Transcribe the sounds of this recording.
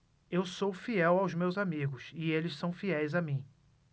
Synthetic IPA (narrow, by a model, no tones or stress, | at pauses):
ewsowfiɛwawzmewzamiɡʊsɪelɪssɐ̃w̃fiɛjzamĩ